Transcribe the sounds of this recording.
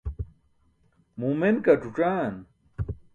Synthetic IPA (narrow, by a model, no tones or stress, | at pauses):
mumenkɐʈ͡ʂuʈ͡ʂaːn